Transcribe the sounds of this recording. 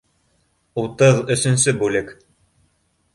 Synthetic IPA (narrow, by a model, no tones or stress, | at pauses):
ut̪ɤðɵ̆sɵ̆nsɵbʉlɘk